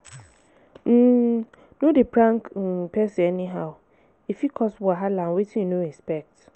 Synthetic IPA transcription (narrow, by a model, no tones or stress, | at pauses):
m̩ː | nodepɾãŋkpɛsiɛniɦaʊ | ifjikʰɔsbɔaɦalanwetʰĩjinoɛspɛk̚t